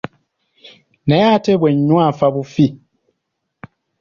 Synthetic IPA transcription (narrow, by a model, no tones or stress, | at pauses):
nɛatɛbwɛɲɲwafabufi